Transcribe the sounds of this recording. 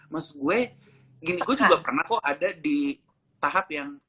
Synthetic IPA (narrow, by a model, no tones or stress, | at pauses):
məsʊɡuɛ | ɡɪniɡuɛt͡ʃuɡapərnahkɔʔadadi | t̪aɦap̚jaŋ